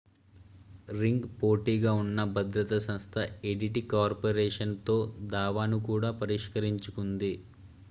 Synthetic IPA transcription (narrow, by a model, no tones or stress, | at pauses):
ɾiŋɡpo̞ːʈiːɡaːunːɐbʱɐd̪ɾɐt̪ɐsɐmst̪ʰɐeɖiʈikaːɾpɐɾɛːʂɐnt̪o̞ːd̪aːʋaːnukuːɽaːpɐɾiʂkɐɾiɲt͡ʃukund̪i